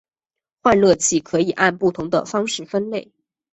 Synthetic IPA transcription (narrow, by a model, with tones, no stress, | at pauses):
xwa˥˧nlɤ˥˧t͡ɕʰi˥˩kʰɤ˧˥i˨˩ʔa˥˧npu˥˩t̪ʰʊ˧˥ŋd̪ə̰˧fɑ˥ŋʂɻ̩˥˩fə˥nle˥˩ɪ